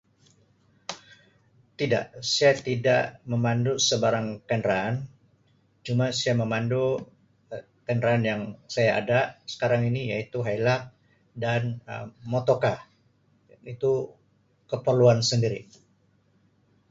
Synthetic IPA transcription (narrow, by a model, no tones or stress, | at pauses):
t̪ida̰ʔsaat̪ida̰ʔməmandusəbaɾaŋkɛndɾan | d͡ʒumasaaməmandu | kɛndɾaːnjaŋsajaa̰dasə̥kaɾaŋinijait̪uɦajlak̚ | danmot̪oka | it̪u | kəpərluansəndiɾi